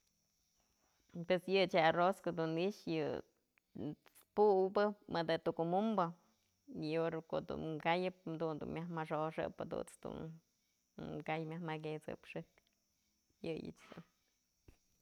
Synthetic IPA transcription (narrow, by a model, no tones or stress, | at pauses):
pwesjɨt͡ʃaroskod̪uniʔʂjɨ | puwbɨmɨd̪ɨt̪ukumumbɨ | oɾkoʔd̪ṵnkajɨp̚d̪und̪ṵnmʲjahmaʂoʂɨ̰pɨd̪ṵt͡sd̪̥ṵn | kajmʲjahmaɡet͡sɨ̰pʂɨk | jɨjɨ̰t͡ʃd̪ṵn